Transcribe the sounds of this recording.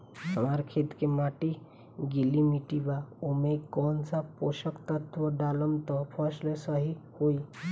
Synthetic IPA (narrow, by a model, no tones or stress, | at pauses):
əmaɾkʰet̪kemaʈi | ɡilimiʈibaumekːɔnt͡sapoʃəkt̪ət̪ʰʋəɖaləmt̪ɔpʰəslesəɦihoi